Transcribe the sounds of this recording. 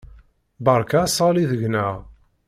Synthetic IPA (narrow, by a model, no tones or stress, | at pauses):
bəɾˤkasɑliðəʝnæʁ